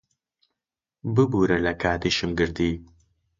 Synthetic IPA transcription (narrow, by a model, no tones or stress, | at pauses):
bɨbuːɾɐlɐkʰaːd̪iʃɨmɡɨɾd̪iː